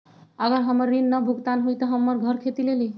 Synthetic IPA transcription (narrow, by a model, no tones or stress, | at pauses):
əɡəɾɦəmːəɾːinːəbʱuɡt̪anɦujt̪ɔɦəmːəɾɡʱəɾkʰet̪ileli